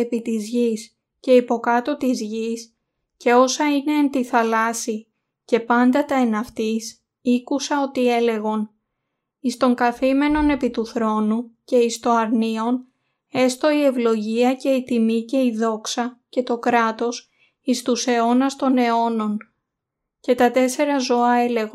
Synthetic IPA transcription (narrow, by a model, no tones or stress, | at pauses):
epit̪izʝis | ce̞ipo̞kɐt̪o̞t̪izʝis | ce̞o̞sɐine̞ːnt̪iθɐlɐsi | ce̞pɐnd̪ɐt̪ɐenɐft̪is | ikusɐo̞t̪ie̞le̞ɣo̞n | ist̪o̞ŋkɐθime̞no̞ne̞pit̪uθɾo̞nuce̞ist̪o̞ɐɾnio̞n | e̞st̪o̞ie̞vlo̞ʝiɐce̞it̪imice̞iðo̞ksɐce̞t̪o̞kɾɐt̪o̞s | ist̪use̞o̞nɐst̪o̞ne̞o̞no̞n | ce̞t̪ɐt̪e̞se̞ɾɐzo̞ɐe̞le̞ɣo